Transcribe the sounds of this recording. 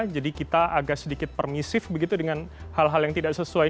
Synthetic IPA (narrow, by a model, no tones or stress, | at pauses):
d͡ʒadikit̪aʔaɡasədikɪt̪̚pərmisɪfbəɡit̪udəŋan | halɦaljaŋt̪idaʔsəsuaj